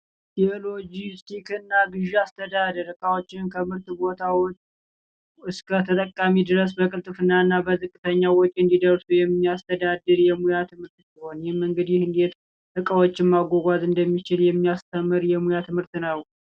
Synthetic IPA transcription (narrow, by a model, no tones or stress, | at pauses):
t̪iolod͡ʒist̪ʰikɨnːaɡɨʒast̪ʰəd̪ad̪ɨɾɨkʼawot͡ʃːɪnkʰəmɨɾt̪bo̞t̪ʰawɔt͡ʃʼː | ɨskʰət̪ʰət̪ʼəkʼːamid̪ɨɾəs̬bəkʼɨlt̪ʼɨfɨnːaɨnːabəzɨkʼːɨt̪ʰəɲːawɔkʼɨnd̪id̪əɾsujɛmːiast̪ʰəd̪ad̪ɨɾjɛmujat̪ʰɨmɨɾt̪siho̞njɛhmːɨŋɡɨd̪jɪhɨnd̪e̞t̪ | ɨkʼawot͡ʃːɪnmaɡʷoɡʷazɨnd̪əmːit͡ʃɪljɛmːijast̪ʰəmːɨɾjɛmujat̪ʰɨmhɨɾt̪nəw